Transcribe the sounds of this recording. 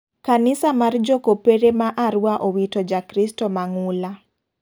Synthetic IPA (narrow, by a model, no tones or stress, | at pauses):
kanɪsamard͡ʒokopeɾemaʔaɾuwaʔowitɔd͡ʒakɾistɔmaŋula